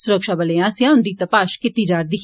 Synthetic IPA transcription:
sʊɾəkʃaːbəleãːsɪ̃ãːʊnd̪iːt̪əpaːʃkɪt̪iːd͡ʒaːɾd̪iː

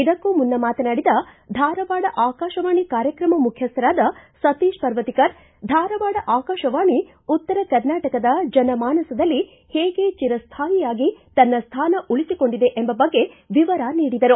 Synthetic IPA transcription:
id̪ɐkːumunːɐmaːt̪ɐnaːɽid̪ɐd̪ʱaːɾɐʋaːɽɐʔaːkaːʃɐʋaːɳikaːɾjɐkɾɐmɐmukʰjɐst̪ɐɾaːd̪ɐsɐt̪iːʃpɐɾʋɐt̪ikɐɾ | d̪ʱaːɾɐʋaːɽɐʔaːkaːʃɐʋaːɳi | ut̪ːɐɾɐkɐɾnaːʈɐkɐd̪ɐd͡ʒɐnɐmaːnɐsɐd̪ɐlːi | heːɡe̞t͡ʃiɾɐst̪ʰaːjijaːɡit̪ɐnːɐst̪ʰaːnɐʔuɭisiko̞ɳɖid̪e̞ʔembɐbɐɡːe̞ | ʋiʋɐɾaniːɽid̪ɐɾu

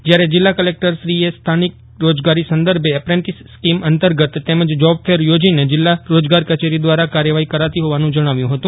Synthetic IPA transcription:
d͡ʒjaɾed͡ʒɪlːakəlek̚ʈəɾʃɾiest̪ʰanik̚ | ɾod͡ʒɡaɾisə̃nd̪əɾbʱeːpɾẽɳʈisskimənt̪əɾɡət̪ːeməd͡ʒd͡ʒɔb̚fʰeɾjod͡ʒined͡ʒɪlːaɾod͡ʒɡaɾkət͡ʃeɾid̪ʋaɾakaɾjəʋaɦikəɾat̪iɦoʋanũd͡ʒəɽ̃aʋjũɦət̪ũ

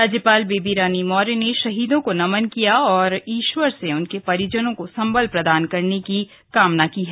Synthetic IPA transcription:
ɾaːd͡ʒjəpaːlbeːbiɾaːnimɔːɾeneʃɐɦiːd̪õkonɐmənkijaɔːɾiːʃʋəɾseʊnkepɐɾjəd͡ʒənõkosɐ̃mbəlpɾɐd̪aːnkɐɾneki | kaːmnakiːɦɛː

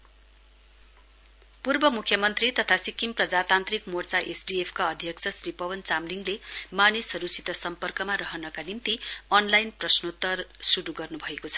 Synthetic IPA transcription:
purbʌmukʰːjʌmʌnt̪rit̪ʌt̪ʰasikimprʌd͡zat̪ant̪rikmort͡saʔesɖiepʰkaʌd̪ʱjʌk̚t͡sʰʌsripʌwʌnt͡samliŋɡlemanisɦʌɾusit̪ʌsʌmpʌrkʌmaɾʌɦʌnʌkanint̪iʌnlajnprʌsnot̪ːʌrsuɽuɡʌrnubʱʌekot͡sʰʌ̥

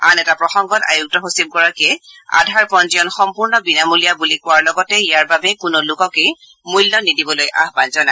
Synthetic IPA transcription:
anɛtapɹɔxɔŋɡɔta̰juk̚tɔɦosim̚kɔɹakɛa̰dʱaɹpɔnzijɔnxɔmpuɹnɔbinamulijabulikʊwaɹlɔɡɔtɛijaɹbabɛkʊnolʊkɔke | mujlːɔnidibɔlojʔa̰ɦbanzɔna

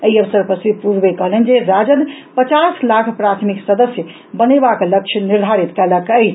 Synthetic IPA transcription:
əiəʋsəɾpəsipuɾbekəɦlənd͡ʒeɾad͡ʒənpət͡ʃaslakʰpɾat̪ʰmiksəd̪əsjə | bənebakləkt͡ʃʰəniɾd̪ʱaɾit̪kɛləkəjt͡ʃʰ

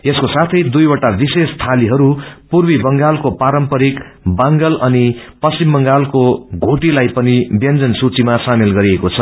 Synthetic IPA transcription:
eskosat̪ʰʌjd̪ujwʌʈabisest̪ʰaliɦʌɾupurwibʌŋɡalkopaɾʌmpʌɾik | baŋɡʌlʌnipʌsimbʌŋɡalkoɡʱoʈilajpʌnibjʌnd͡zʌnsut͡simasamelɡʌɾiekot͡sʰʌ

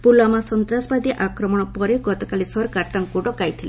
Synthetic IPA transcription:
pulamasɔnt̪ɾasɔbad̪iʔakɾɔmɔɽ̃ɔpɔɾeɡɔt̪ɔkalisɔɾkaɾt̪aŋkuɖɔkajt̪ʰile

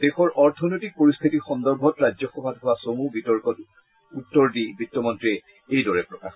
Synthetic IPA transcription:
d̥exɔɹɔɹtʰɔnojtik̚poɹist̪ʰitixɔndɔɹbʱɔtɹazɔxɔbʱadɦʊwasomubitɔɹkɔt | utːɔɹdibitːɔmɔntɹiɛ | ejdɔɹɛpɹɔkax

